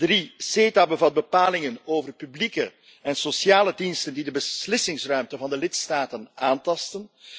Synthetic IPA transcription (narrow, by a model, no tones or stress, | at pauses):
driseːtabəvɑt̚bəpaːlɪŋənoːvərpyblikə | ɛnsosjaːlədinstəndidəbəslɪsɪŋsrœɥmtəvɑndəlɪtstaːtənaːntɑstən